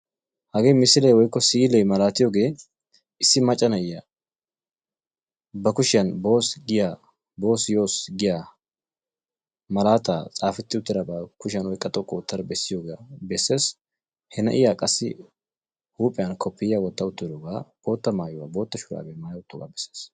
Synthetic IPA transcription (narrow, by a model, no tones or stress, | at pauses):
hɐɡe̞ːjmɪsɪlɛjwɔjkːɔsiːlɛjmɐlaːt̪ɪjoːɡe̞ː | ɪsːɪmɐt͡ʃʼːɐnɐɪja | bɐkʊʃɪjɐnbo̞ːsɡɪjaː | bo̞ːsjo̞ːsɡɪjaː | mɐlaːt̪aːt͡sʼaːfɪt̪ːɪʊt̪ːɪɾɐbɐkʊʃɪjɐnwɔjkʼɐt̪ʼɔkʼːɔʊt̪ːɐɾbɛsːɪjoːɡaabɛsːe̞ːs | hɛnɐ̰ʔɪjaːkʼɐsːɪ̰ | huːpʼɪjɐnkʰɔpːɪjjaːwɔt̪ːɐʊt̪ːɪɾoːɡaːb̥o̞ːt̪ːɐmaːjʊwaːbo̞ːt̪ːɐʃʊɾa̰ːbemaːjɐʊt̪ːoːɡa̰ːbɛsːeːs